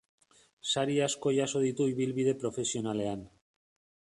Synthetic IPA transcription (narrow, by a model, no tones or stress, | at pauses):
saɾiasko̞ʝaso̞ðit̪uiβ̞ilβið̞e̞pɾo̞fe̞sio̞nale̞an